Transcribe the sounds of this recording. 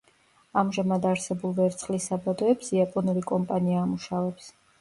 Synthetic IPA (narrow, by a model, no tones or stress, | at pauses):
amʒamad̪aɾsɛbulˠvɛɾt̪sʰχlisabad̪ɔɛpsiapʼɔnulikʼɔmpʼaniaːmuʃavɛps